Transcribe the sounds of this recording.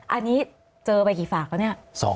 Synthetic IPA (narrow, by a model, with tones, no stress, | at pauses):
ʔa˧nːiː˦˥ | t͡ɕɤː˧pa˧jkiː˨˩faː˨˩k̚laː˧˦ni˥˩ɐsɔ̰ː˩˦